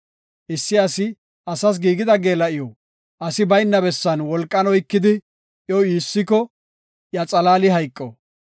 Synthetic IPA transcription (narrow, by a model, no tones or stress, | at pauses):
ʔɪsːɪɐsɪ | ʔɐsɐs̬ɡiːɡɪd̪ɐɡeːlɐʔɪjɔ | ʔɐsɪbɐjnːɐbɛsːɐnwɔlkʼːɐnɔjkːɪd̪ɪ | ʔjɔwiːsːɪkɔ | jɐt͡sʼɐlaːlɪɦɐjkʼːɔ